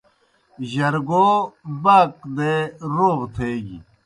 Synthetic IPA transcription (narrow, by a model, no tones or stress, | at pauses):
ʑɐɾɡoːbaːkd̪eɾoːʁt̪ʰeːɡḭ